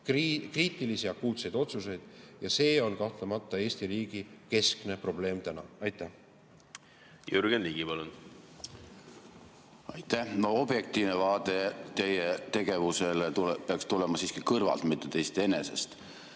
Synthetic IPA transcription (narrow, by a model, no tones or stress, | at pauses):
kriːt̪ːˑilisiɑkːuːt̪se̞jd̪̥o̞t̪suse̞jd̪̥jɑse̞ːo̞nkɑht̪lemɑt̪ˑːɑe̞ːst̪iɾiːɡ̥ike̞skne̞pro̞ble̞ːmt̪ænɑ̰ɑjt̪ːˑæh | jyɾɡ̥enliːɡipɑlun | ɑjt̪ːˑæhno̞o̞b̥je̞k̚t̪iːvnevɑːt̪e̞t̪e̞jet̪e̞ɡ̥e̞vuse̞lt̪ulpeɑkst̪ulɛmɑsiːskikɤrvɑ̰lt̪mit̪ːˑet̪e̞jst̪ee̞ne̞se̞̰st̪